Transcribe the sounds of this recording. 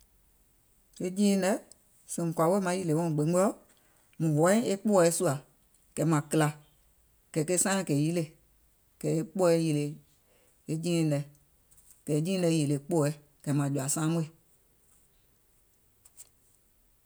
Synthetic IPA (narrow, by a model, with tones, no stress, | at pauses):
e˧d͡ʒĩː˦lɛ˨˦ | sẽ˨mũ˨kʷa˨˦we˦mã˨˦ji˦le˨wɔ̃˦˨ɡ͡be˨˦ɔ˦ɔ˦ | mũ˨wɔ˨˦ɛ̃˦e˦k͡po˦˧˨su˦a˨ | kɛ˨˦mã˨kɨ˦la˧˨ | kɛ˨ke˦sã˦˨kɛ˨ji˦le˧˨ | kɛ˨e˦k͡po˦ɛ˧˦ji˧˨le˨ | e˧d͡ʒĩː˦˨lɛ˨ | kɛ˨˦d͡ʒĩː˦ɛ˧˨˦ji˨le˨k͡po˦ɛ˨˦ | kɛ˨˦mã˨d͡ʒu˨a˨sãː˦mũ˦e˨